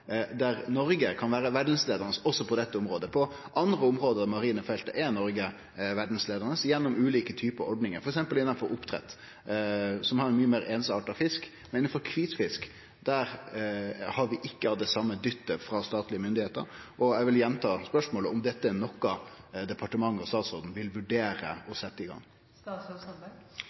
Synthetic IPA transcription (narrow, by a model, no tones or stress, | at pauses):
d̪æɾnɔɾɡəkʰɑnʋæːɾəʋæɖn̩sleːd̪əʁnəsɔsːɔpʰɔd̪ɛt̪ːəʊmɾoːd̪əpʰɔʔɑnd̪ɾəʊmɾoːd̪əd̪ɛmɑɾiːnəfɛlt̪ə̰ʔɛnɔɾɡə | ʋæɖn̩sleːd̪əɾnəsjɛnːʊmʉːliːkət̪ʰyːpəəɔɖnɪŋəɾfɔɾɛksɛmpəlɪnːɑnfɔɾʊpt̪ʰɾɛ̰t̪ː | sɔmhɑɾɛnmyːəmeːɾeːnsɑ̰ːʈɑfɪskmɛnɪnːnfɔɾkʰʋiːt̪fɪsk | d̪̥æːɾ | hɑɾʋɪʔɪkːəɑʋd̪ɛsɑmːəd̪ʏt̪ːəfɾɑst̪ɑːt̪lɪəmʏnd̪ɪheːt̪ə̰ɾ | ʔɔæɪʋɪljɛnːt̪ʰɑːspœʂmoːləʊmd̪ɛt̪ːənɔkːɑd̪ɛpʰɑʈəmɑŋːəɔst̪ɑːt̪sɔɾd̪n̩ʋɪlʋʉɖeːɾə̰ɔsɛt̪ːəɪɡɑ̰ŋː